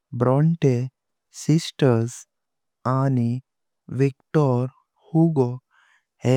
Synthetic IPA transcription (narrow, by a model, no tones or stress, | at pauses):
bɾɔɳʈe | sisʈəɾs | ani | ʋikʈɔɾ | huɡɔ | he